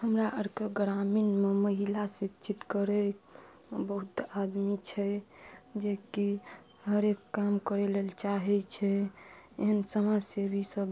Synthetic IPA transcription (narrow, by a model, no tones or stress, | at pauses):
həmɾaʔəɾkeɡɾaminmeməɦilasit͡ʃʰit̪kəɾɛ | bəɦut̪ad̪mit͡ʃʰɛ | d͡ʒeki | ɦəɾekːamkəɾelelt͡ʃaɦɛt͡ʃʰɛeɦənsəmad͡ʒsebisəb